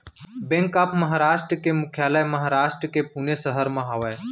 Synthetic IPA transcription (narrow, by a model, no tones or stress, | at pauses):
bẽŋkaːpʰməɦaːɾaːʃʈɾəkemʊkʰjaːlajməɦaːɾaːʃʈɾəkepuːnesəɦəɾmãɦɐʋe